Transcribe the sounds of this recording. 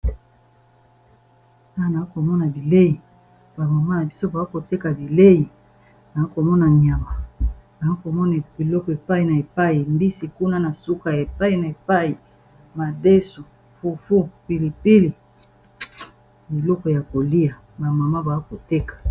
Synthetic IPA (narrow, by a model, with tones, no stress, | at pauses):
a˦a˨na˨i˦ko˨mɔ˦na˨bi˨le˦ji˨ | ba˨ma˨ma˦na˨bi˦so˦ba˨a˦ko˨te˦ka˨bi˨le˦ji˨ | na˨i˦ko˨mɔ˦na˨ɲ˨a˨ma˨na˨i˦ko˨mɔ˦na˨bi˨lɔ˦kɔ˨e˨pa˦i˨na˨e˨pa˦i˨mbi˦si˨ku˦na˦na˨su˦ka˨ja˨e˨pa˦i˨na˨e˨pa˦i˨ | ma˨de˦su˨ | fu˨fu˦pi˨li˨pi˦li˨ | i˨lɔ˦kɔ˨ja˨ko˨li˦ja˨ | ba˨ma˨ma˦ba˨a˦ko˨te˦kḁ˨